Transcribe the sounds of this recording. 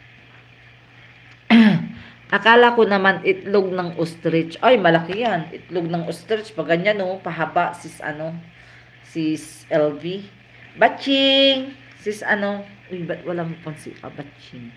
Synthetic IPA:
ʔɐkaːlɐkonɐmanʔɪt̪loɡ̚nɐŋʔost̪ɾɪt͡ʃʔojmɐlɐkɪjanɪ̰t̪loɡ̚nɐŋʔost̪ɾɪt͡ʃpɐɡɐɲanopɐɦabaʔsɪsʔɐ̰no | sis | ɛlvi | bat͡ʃɪŋ | sɪsɐno | ʔojbɐt̪wɐlaŋkonsḭʔɐ̰bat͡ʃɪŋ

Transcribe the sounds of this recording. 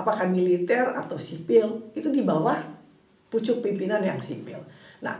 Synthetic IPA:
apakamilit̪ɛra̰t̪awsipɪlit̪udibawah | put͡ʃʊk̚pimpinanjaŋsipɪ̰lna̰h

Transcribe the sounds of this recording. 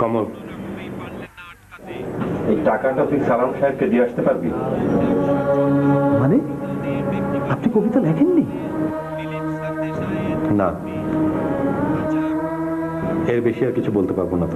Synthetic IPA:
kɔmoɾ | ejʈakaʈat̪ʰikʃalanʃaeɾ̚ked̪ieaʃt̪epaɾbḭ | mane | apnikobʱit̪alɛkʰenːi | na | eɾbeʃiaɾkit͡ɕʰubolt̪epaɾbonːat̪o

